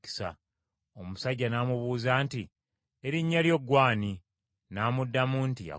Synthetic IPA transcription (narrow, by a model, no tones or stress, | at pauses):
i̥sa̰ | omusaɟːanaːmuβuːzaːnti | eɾiɲːaljo̞ɡwaːni | naːmudːamuntija̰